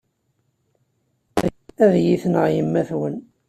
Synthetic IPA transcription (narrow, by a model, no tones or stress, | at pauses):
æðjiθnəʁjəmːæθwən